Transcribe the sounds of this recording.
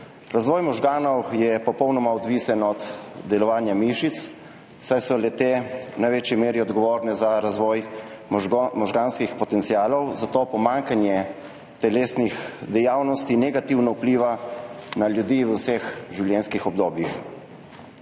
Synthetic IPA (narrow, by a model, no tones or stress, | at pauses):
ɾazʋɔːjmɔʒɡaːnɔwjɛpɔpɔwnɔmaɔd̪ʋiːsɛnɔd̪d̪ɛlɔʋaːnjamiʃit̪s | sajsɔlɛt̪eːnajʋet͡ʃjimeːɾiɔd̪ɡɔʋoːɾnɛzaɾazʋɔːj | mɔʒɡaːnskixpɔt̪ɛnt̪sijaːlɔwzat̪oːpɔmaːŋkanjɛ | t̪ɛleːsnixd̪ɛjaːwnɔst̪inɛɡat̪iwnaupliːʋanaljud̪iːʋəwsɛxʒiwljɛnskixɔb̚d̪oːbjix